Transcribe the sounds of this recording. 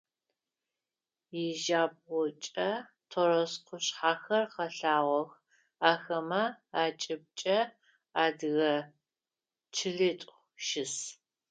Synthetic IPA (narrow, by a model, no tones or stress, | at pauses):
jɪʒaːb̚ʁʊt͡ʃʼɐ | tʰoɾɔsqʰʷʊɕħaːxɐrqɐɬaːʁʷɔx | aːxɐmɐaːt͡ʃʼɪb̚t͡ʃʼɐ | aːdɣɐ | t͡ʃʰɪɮɨtʼ | ʃɪs